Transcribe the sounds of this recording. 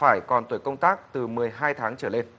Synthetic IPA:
faː˧˩jkɔ˨˩nt̪wi˧˩əkə˧wŋ͡mt̪aː˦˥k̚t̪ɨ˨˩mɨ˨˩əjɦaː˧jt̪ʰaː˨˦ŋt͡ɕəː˧˩le˧n

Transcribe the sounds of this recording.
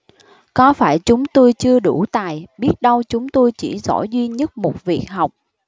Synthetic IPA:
kɔ˨˦faː˧˩jt͡ɕʊ˨˦ŋ͡mt̪o˧jt͡ɕɨ˧əɗu˧˩t̪aː˨˩jɓi˦˥ət̚ɗə˧wt͡ɕʊ˨˦ŋ͡mt̪o˧jt͡ɕḭ˧˩zɔ̰˧˩zwi˧ɲə˦˥t̚mo˨˩t̚vi˨˩ək̚ɦa˨˩wk͡p̚

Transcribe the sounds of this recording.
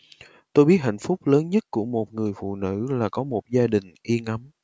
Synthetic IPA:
t̪o˧jɓi˦˥ət̚ha̰˧˨jŋ̟fʊ˦˥k͡p̚ləː˨˦nɲə˦˥t̚ku˧˩əmo˨˩t̚ŋɨ˨˩əjfṵ˧˨nɨ̰˧˥laː˨˩kɔ˨˦mo˨˩t̚zaː˧ɗï˨˩ŋ̟ʔi˧əŋa˨˦m

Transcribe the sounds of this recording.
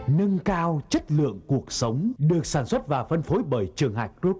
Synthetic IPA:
nə˧ŋkaː˧wt͡ɕə˦˥t̚lɨ̰˧˨əŋku˨˩ək̚sə˨˦wŋ͡mɗɨ˨˩ək̚saː˧˩nswə˦˥t̚vaː˨˩fə˧nfo˨˦jɓəː˧˩jt͡ɕɨ˨˩əŋɦa̰ː˧˨˩jkɾu˦˥p̚

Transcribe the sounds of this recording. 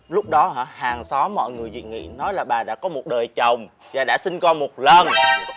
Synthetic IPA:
lʊ˦˥k͡p̚ɗɔ˨˦ɦa̰ː˧˦haː˨˩ŋsɔ˨˦mɔ̰˧˨jŋɨ˨˩əjzḭ˧˨nŋḭ˧˨nɔ˨˦jlaː˨˩ɓaː˨˩ɗa̰ː˧˥kɔ˨˦mo˨˩t̚ɗəː˨˩jt͡ɕə˨˩wŋ͡m | vaː˨˩ɗa̰ː˧˥sï˧ŋkɔ˧mo˨˩t̚lə˨˩n

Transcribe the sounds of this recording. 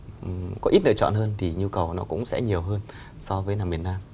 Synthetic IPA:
ʔkɔ˨˦ʔi˦˥t̚nə̰˧˨t͡ɕɔ̰˧˨nɦəː˧nt̪ʰi˨˩ɲu˧kə˨˩wnɔ˨˦kʊ̰˧˥ŋ͡msɛ̰˧˥ɲi˨˩əwɦəː˧n | sɔ˧vəː˨˦jnaː˨˩mi˨˩ənaː˧m

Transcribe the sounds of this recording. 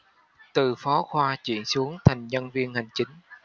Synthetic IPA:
t̪ɨ˨˩fɔ˨˦xwaː˧t͡ɕḭ˧˩ənsu˨˦əŋt̪ʰa˨˩jŋ̟ɲə˧nvi˧ənha˨˩jŋ̟t͡ɕï˨˦ŋ̟

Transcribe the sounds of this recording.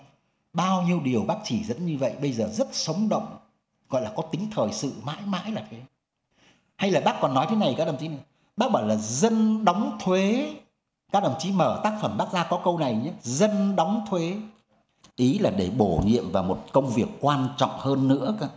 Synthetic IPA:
ɓaː˧wɲi˧əwɗi˨˩əwɓaː˦˥k̚t͡ɕi˧˩zə̰˧˥nɲɨ˧və̰˧˨jɓə˧jzəː˨˩zə˦˥t̚sə˨˦wŋ͡mɗə̰˧˨wŋ͡m | ɣɔ̰˧˨jlaː˨˩kɔ˨˦t̪ï˨˦ŋ̟t̪ʰəː˨˩jsɨ̰˧˨ma̰ː˧˥jma̰ː˧˥jlaː˨˩t̪ʰe˨˦ | ha˧jlaː˨˩ɓaː˦˥k̚kɔ˨˩nːɔ˨˦jt̪ʰna˨˩jkaː˦˥k̚ɗə˨˩ŋ͡mt͡ɕi˨˦n˨˧˩ | ɓaː˦˥ɓɔː˧˩jlaː˨˩zə˧nɗa˨˦wŋ͡mt̪ʰwe˨˦ | kaː˦˥k̚ɗə̰˨˩ŋ͡mt͡ɕi˨˦məː˧˩t̪aː˦˥k̚fə˧˩mɓaː˦˥k̚zaː˧kɔ˨˦kə˧wna˨˩jɲa˨˦zə˧nɗɔ˨˦wŋ͡mt̪ʰwe˨˦ | ʔi˨˦laː˨˩ɗe˧˩ɓo˧˩ɲḭ˧˨əmvaː˨˩wmo˨˩t̚kə˧wŋ͡mvi˨˩əkːwaː˧nt͡ɕɔ̰˧˨wŋ͡mhəː˧nːɨ̰˧˥əkaː˧˦

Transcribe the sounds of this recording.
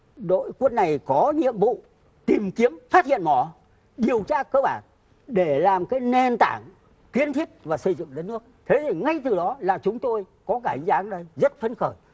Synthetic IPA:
ɗo̰˧˨jku˦˥n̚na˨˩jkɔ˨˦ɲḭ˧˨əmvṵ˧˨ | t̪i˨˩mki˨˦əmfaː˦˥t̚hḭ˧˨ənmɔ˧˩ | ɗi˨˩əwt͡ɕaː˧kəː˧ɓaː˧˩n | ɗe˧˩laː˨˩mkaː˨˦jne˧nt̪aː˧˩ŋ | kwi˧ənt̪ʰi˦˥ət̚vaː˨˩sɨ˧˩zɨ̰˧˨ŋɗə˦t̚nɨ˦˥ək̚t̪ʰe˨˦t̪ʰi˨˩ŋa˧jt̪ɨ˨˩ɗɔ˨˦laː˨˩t͡ɕʊ˨˦ŋ͡mt̪o˧j | kɔ˨˦kaː˧˩ha˨˦ŋ̟zaː˨˦ŋɗə˧jzə˦˥t̚fə˧nxəː˧˩j

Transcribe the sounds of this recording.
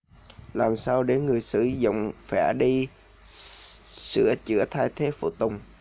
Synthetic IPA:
laː˨˩msaː˧wɗe˧˩˦nŋɨ˨˩əjsɨ̰˧˩zʊ̰˧˨wŋ͡mfɛ˧˩ɗi˧ | sɨ̰˧˥ət͡ɕɨ̰˧˥ət̪ʰaː˧jt̪ʰe˨˦fṵ˧˩t̪ʊ˨˩wŋ͡m

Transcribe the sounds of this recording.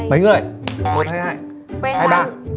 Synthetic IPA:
mə˨˦jŋɨ˨˩əjmo˨˦n̚haː˧jhaː˧˩j | haː˧jɓaː˧

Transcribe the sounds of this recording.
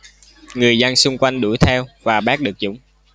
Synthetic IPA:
ŋɨ˨˩əjzə˧nsʊ˧ŋ͡mkwa˧jŋ̟ɗu˧˩˦jt̪ʰɛ˧wvaː˨˩ɓaː˦˥k̚ɗɨ˨˩ək̚zʊ̰˧˥˦ŋ͡m

